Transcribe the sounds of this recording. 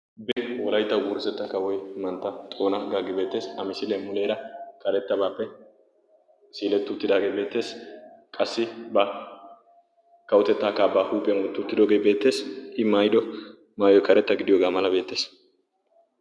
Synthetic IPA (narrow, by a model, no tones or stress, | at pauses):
bɛwɔlɐjt̪ːɐwɡuːɾɪsɛt̪ːɐkɐwɔjmɐnt̪ːɐt̪ʼo̞ːnɐɡaːɡɪbe̞ːt̪ːe̞ːsɐmɪsɪlemʊleːɾɐkʰɐɾɛt̪ːɐbaːpːɛ | siːlɛt̪ːʊt̪ːɪd̪aːɡeːbe̞ːt̪ːe̞ːskʼɐsːɪbɐ | kɐwʊt̪ɛt̪ːaːkaːbaːhuːpʼɪɐnwɔt̪ːʊt̪ːɪd̪oːɡe̞jbe̞ːt̪ːe̞ːsʔɪmaːjd̪ɔ | maːjɔkɐɾɛt̪ːɐɡɪd̪ɪjoːɡaːmɐlɐbe̞ːt̪ːe̞ːs